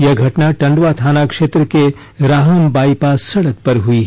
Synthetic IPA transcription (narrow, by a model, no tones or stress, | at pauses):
jɐɡʱɐʈnaʈɐ̃ɳɖʋat̪ʰaːnakʃeːt̪ɾəke | ɾaːɦəmbaːipasɐɽək̚pɐɾɦui